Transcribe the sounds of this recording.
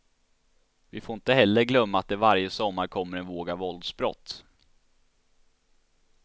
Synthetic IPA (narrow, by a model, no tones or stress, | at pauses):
vɪfoːɪnt̪əɦɛlːəɾɡlœmːaːt̪̚d̪ɛvaɾjəsɔmːaɾkʰɔmːəɾɛnvoːɡavɔld̪sbɾɔ̰t̪ː